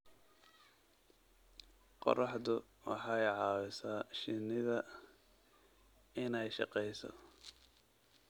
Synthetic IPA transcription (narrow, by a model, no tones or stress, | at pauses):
qɔ̰rɑħðʊ | wɑ̰ħɑjʕɑːwɪsaːʃɪnːɪðɐ | ɪnɛjʃɑ̰qɛjsɔ̰